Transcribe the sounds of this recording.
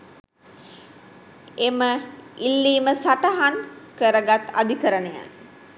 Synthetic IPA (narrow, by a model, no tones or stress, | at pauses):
eməilːiːməsaʈəɦankəɾəɡat̪a̰d̪ikəɾənəja̰